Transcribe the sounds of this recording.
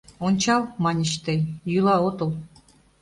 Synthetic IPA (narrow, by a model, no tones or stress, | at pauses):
onʲt͡ɕɑlˠmɑnʲə̆ɕt̪ejjylˠɑot̪ɤ̆lˠ